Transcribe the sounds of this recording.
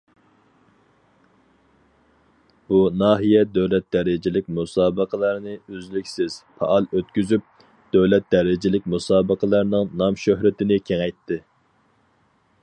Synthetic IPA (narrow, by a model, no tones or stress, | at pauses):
bunɑːɦijɛd̪øwlɛt̪̚d̪ɛɾɪd͡ʒɪlɪk̚ʲmusɑːbəqʰəlˠɑɾnɨøzlykʲsɪz̥pʰɑ̰ʔɑlˠøt̪kʲyzyp̚ | d̪̥øwlɛt̪̚d̪̥ɛɾɪd͡ʒɪlɪk̚ʲmusɑːbəqʰəlˠɑɾnɨŋnɑmʃøɦɾɪt̪ɪnɪkʲʰeŋɛjt̪ʰːɪ